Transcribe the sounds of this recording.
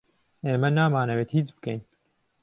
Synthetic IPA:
eːmɛnaːmaːnɐweːt̪hiːt͡sbɨ̥kɛjn

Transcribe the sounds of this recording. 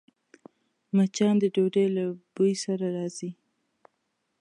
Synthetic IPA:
mat͡ʃɑnd̪əɖoɖejlabujsaɾaɾɑz̥i

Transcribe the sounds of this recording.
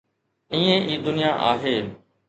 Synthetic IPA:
ĩːẽʔiːd̪ʊnijaʔa̰ːɦeː

